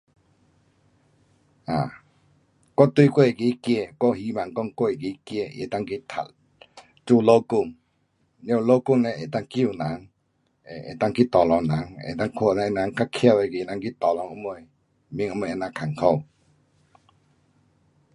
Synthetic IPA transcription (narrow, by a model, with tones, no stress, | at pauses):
a˨ | kɔ˦t̪wi˦˧˨kwe˥˦˨e˨ki˧˦kje˥˧˨kɔ˦hi˧˦ma˨ŋkɔ˧˨ŋko˦˨e˨ki˧˦kje˧˨ʔḛ˨t̪a˥˨ŋki˧˦t̪ʰa̰˨t̚ | t͡su˦˧˨lo˦˨ku˧˨ŋ | li˧ɔ̃˧˨˧lo˦ku˥˧˨ŋnɛ˨ʔe˨t̪a˥˧˨ŋki˧˨na˨˦ŋ | e˨ḛ˨t̪a˦˥˨ŋki˦t̪ɔ˨lɔ˨ŋna˨˦ŋḛ˨t̪a˦˧˨ŋkʰo˧˨nɛ˧na˨˧˦ŋka˦kʰja˧˨e˧˨ki˧˨na˧˦ŋki˦t̪ɔ˨lɔ˨˦ŋʔu˧˦mo˧˨ | mĩ˧˦ŋu˧˦m˧˨e˧na˧˨kʰa˨ŋkʰo˧˨w